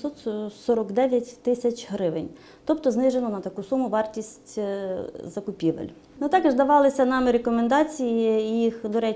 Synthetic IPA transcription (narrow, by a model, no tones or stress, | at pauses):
sɔt̪sɔɾɔɡd̪ɛʋʲjɐtʲt̪ɪsʲɐt͡ʃɦɾɪʋenʲ | t̪ɔpt̪ɔznɪʒenɔnɐt̪ɐkusumʊʋɑrtʲisʲtʲ | zɐkʊpʲiʋḛlʲ | nʊt̪ɑkɪʒd̪ɐʋɑlˠɪsʲɐnɑmɪɾekɔmend̪ɑt͡sʲijɪːjixd̪ɔɾɛ